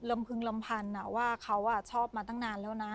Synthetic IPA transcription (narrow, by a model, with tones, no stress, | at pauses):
lɤ˧mpʰɯ˧ŋla˧mpʰa˧nːa˧˩waː˥˩kʰa˦˥wʔaː˧˩t͡ɕʰɔː˥˩pp̚maː˧t̪a˥˩ŋnaː˧nlɛː˦˥wna˦˥